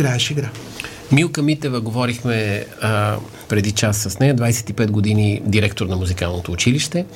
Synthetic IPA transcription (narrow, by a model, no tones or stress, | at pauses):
ɡɾaɛʃiɡɾa | milˠkəmit̪ɛvəɡovɔɾixmɛ | pɾɛd̪it͡ʃasːɐsnɛjəd̪vajsɛ̥t̪ipɛd̪ɡod̪inid̪iɾɛkt̪oɾnɐmuzikalˠnot̪oːt͡ʃiliʃt̪ɛ